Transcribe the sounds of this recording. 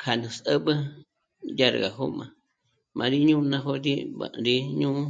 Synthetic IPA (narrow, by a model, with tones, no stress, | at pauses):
kʰa˨nũ˨sə˦bə˦ | ja˦ɾɣa˨ɦo˦mã˨ | mʔã˨˧ɾi˦ɲũ˦˧nã˦˧ɦo˦ɾi˦bã̰˨ɾi˦ɲũ˦